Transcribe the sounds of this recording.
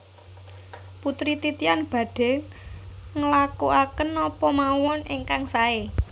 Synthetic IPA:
put̪ɾit̪it̪ianb̥ä̤ɖ̥ɛ̤ŋ | ŋəlakuʔakənɔpɔmawɔneŋkaŋsae

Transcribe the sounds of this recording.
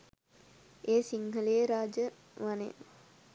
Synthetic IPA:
eːsiŋɦəleːɾaːd͡ʒə | ʋanḛ

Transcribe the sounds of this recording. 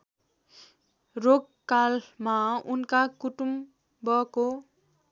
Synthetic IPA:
roɡ | kalmaunkakuʈum | bʌko

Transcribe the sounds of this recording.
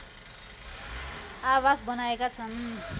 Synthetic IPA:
awasbʌnaekat͡sʰʌn

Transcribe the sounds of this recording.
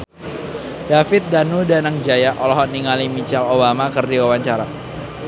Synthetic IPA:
d̥afɪt̪̚danudanaŋd͡ʒajaʔɔlɔɦɔniŋalimit͡ʃalobamakɨrdiwawaɲt͡ʃaɾa

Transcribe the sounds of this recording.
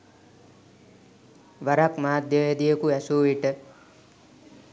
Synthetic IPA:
ʋaɾakmaːd̪jəed̪ijəkuɛsuːʋiʈə

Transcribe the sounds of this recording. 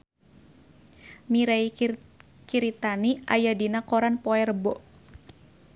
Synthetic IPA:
miɾai | kiɾit̪aniʔajadinakɔɾanpɔɛrbɔ

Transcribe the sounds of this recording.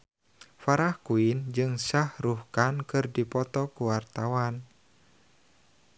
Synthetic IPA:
faɾahkuind͡ʒɨŋsahruhkankɨrdipɔt̪ɔkuwart̪awan

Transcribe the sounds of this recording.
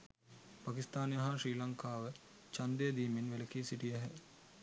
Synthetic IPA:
pakist̪aːnjɐɦaʃɾiːlɐŋkaːʋə | t͡ʃand̪ejəd̪iːminʋeləkiːsiʈijɛɦɛ

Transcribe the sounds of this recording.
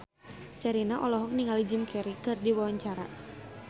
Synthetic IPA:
sɛɾinaʔɔlɔɦɔk̚niŋalid͡ʒimkʰɛɾikɨrdiwawaɲt͡ʃaɾa

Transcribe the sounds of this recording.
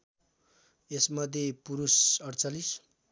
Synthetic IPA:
esmʌd̪ʱjepuɾusʌɽt͡salis

